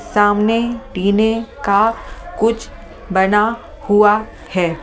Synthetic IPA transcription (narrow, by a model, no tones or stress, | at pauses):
saːmneɖiːnekakʊt͡ʃʰ | bɐna | hua | hɛː